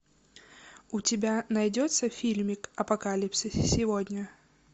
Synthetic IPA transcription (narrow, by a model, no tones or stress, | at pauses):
ʊtʲɪbʲanɐjdʲɔt̪səfʲilʲmʲɪkɐpɐkalʲipsɨsʲɪvodʲnʲə